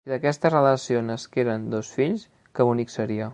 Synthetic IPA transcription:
iðəkɛst̪əzrələsionəskeɾənd̪osfiʎs | kəβuniksəɾiə

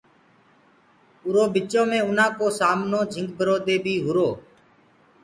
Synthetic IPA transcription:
ʊɾoːbɪt͡ʃõːmẽːʊnãːkoːsaːmnõːd͡ʒʱɪ̃ŋɡbʱəɾoːd̪eːbʱiːɦʊɾoː

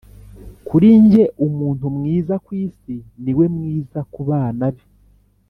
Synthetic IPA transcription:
kuɾiɲɟe̞ʔumuːn̥tumŋiːzakwiːsiniwe̞mŋiːzakuβaːnaβe

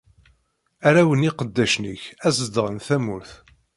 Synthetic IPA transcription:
æɾæwəniqəd̪ːæʃnəçæzd̪ʁnθæmʊɾθ

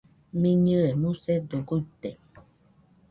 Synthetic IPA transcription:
mĩɲɨ̃emũsed̪oɡujt̪e

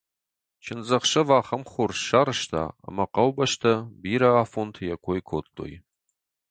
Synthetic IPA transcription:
t͡ʃʰɪnzɐχʃɐvaːχɐmχʷʊrʃaːɾɨʃtʰa̰ːɐ̰mɐqɐwbɐʃtʰɐbiːɾɐaːfontʰjɛkʷʰojkʷʰoːtʼːo̰j

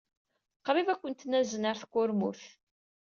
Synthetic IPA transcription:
qɾˤivækʷːənt̪næzənəɾθkːʊɾmṵθ

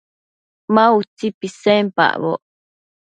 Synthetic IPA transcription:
maut͡sipisempa̰ʔβo̰ʔ

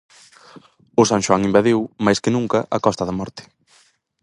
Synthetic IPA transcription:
ʊsaŋʃwaŋimbaðiwmajskɪnũŋkɐʔakɔst̪ɐðɐmɔɾt̪ɪ̥

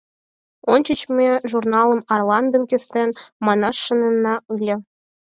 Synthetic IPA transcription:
ont͡ɕət͡ɕmʲeʐurnɑlˠɤ̆mɑrlˠɑnd̪ɤ̆nkʲɘ̆st̪ʲenʲmɑnɑʂːɤ̆nɤ̆nːɑɯlʲɤ̆

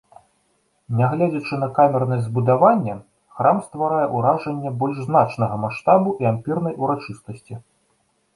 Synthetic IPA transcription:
nʲaɣlʲɛd͡zʲɐt͡ʂɨn̪ɐkamʲɛrnɐzbud̪avanʲːɛ | xɾamst̪vaɾajɛʔuɾaʐɐnʲːɛbɔlʲʐznat͡ʂnɐɣɐmaʂt̪abuʔiampʲirnɐjʔuɾat͡ʂɨst̪ɐsʲt͡sʲi

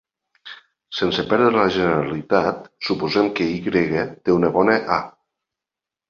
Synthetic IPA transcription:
sensepɛɾðɾeləʒeneɾalit̪at̪supuzɛmkeiɣɾeɣet̪eunəβɔneʔa

